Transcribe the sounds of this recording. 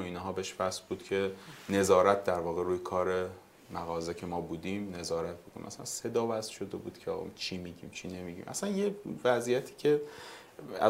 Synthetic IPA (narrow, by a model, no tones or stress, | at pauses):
oiːnɦɒːbeeʃfæsbuːd̪̥cʰe̞ne̞zɒːɾæt̪̚d̪æɾvɒːɣe̞ɾuːjekʰɒːɾe̞ | mæɣɒːzecʰe̞mɒːbuːd̪imne̞zɒːɾæt̪̚bokʰon̰ʔæ̰sææ̰nse̞d̪ɒːvæsʃo̞d̪e̞bṵːd̪̥cʰeɒɣ̰t͡ʃʰimiɟḭːmt͡ʃʰiːne̞miːɟḭːmʔæ̰sænjevæzijæt̪ʰi̥ːcʰe̞ | æ̰